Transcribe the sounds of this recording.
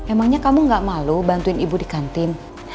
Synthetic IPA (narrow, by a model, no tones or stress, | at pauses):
memaŋɲakamuŋɡaʔmalubant̪uɪnibudikant̪ɪm